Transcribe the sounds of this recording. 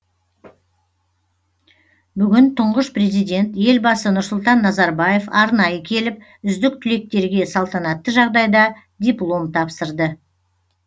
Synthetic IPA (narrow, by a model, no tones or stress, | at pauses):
bʏɡʲɪnt̪ʰʊɴʁəʃpre̞zijd̪ʲe̞nt̪je̞lbɑsənʊɾsʊlˠt̪ɑnːɑzɑɾbɑje̞fɑɾnɑjəkʲʰe̞lɪp̚ | ʏzd̪ɪk̚t̪ʰʏle̞k̚t̪e̞ɾɡʲe̞sɑlˠt̪ɑnɑt̪ːəʒɑʁd̪ɑjd̪ɑ | d̪ʲiplˠo̞mt̪ʰɑpsəɾd̪ə